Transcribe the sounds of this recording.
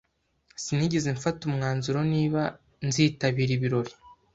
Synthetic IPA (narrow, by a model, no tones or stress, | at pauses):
siniɟezeɱfatumŋaːnzuɾo̞niːβa | nziːtaβiːɾiβiɾo̞ɾi